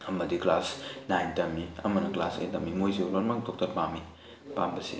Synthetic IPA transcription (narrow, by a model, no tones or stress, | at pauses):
ɐmɐdiklasnajntɐmiɐ̰mɐnɐklasḛjtɐmimojziuloɾmaŋdok̚tɐɾpami | pambɐsḭ